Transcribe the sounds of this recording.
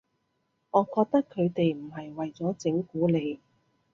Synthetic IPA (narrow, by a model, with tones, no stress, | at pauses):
ŋɔː˨˧kɔː˧k̚t̪ɐ˥kʰːɵ˨˧ɥt̪e˨jm̩˨˩ɦɐ˨jwɐ˨jt͡sɔː˨˥t͡sɪ˨˥ŋkuː˨˥le˨˧j